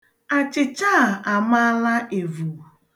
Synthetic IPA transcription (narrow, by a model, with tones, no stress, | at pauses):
a˨t͡ʃɪ˨t͡ʃa˦˨a˨ma˦la˦ʔe˨vu˨